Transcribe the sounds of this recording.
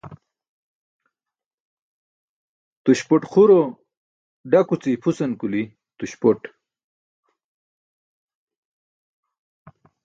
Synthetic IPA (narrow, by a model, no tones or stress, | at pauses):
t̪uɕpoʈχuɾo | ɖakut͡sipʰusɐnkuli | t̪uɕpoʈ